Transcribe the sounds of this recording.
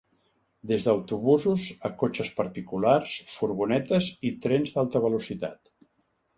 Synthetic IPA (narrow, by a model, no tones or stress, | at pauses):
d̪ezðəwt̪uβuzuzəkot͡ʃəspəɾt̪ikularsfuɾβunɛt̪əzit̪ɾɛnzd̪alˠt̪əβəlusit̪a̰t̪